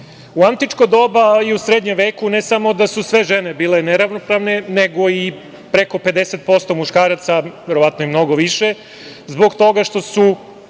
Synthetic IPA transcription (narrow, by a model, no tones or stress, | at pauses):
uant̪it͡ʂkod̪o̞baiusɾed̪ɲemʋe̞ːkune̞samo̞d̪asusʋe̞ʒenebiːleneɾaʋnopɾaʋneneɡo̞i | pɾeko̞pe̞d̪eset̪̚po̞st̪o̞muʃkaːɾat̪saʋeɾoat̪noimno̞ɡoʋiʃe | zbo̞ɡt̪o̞ɡaʃt̪o̞su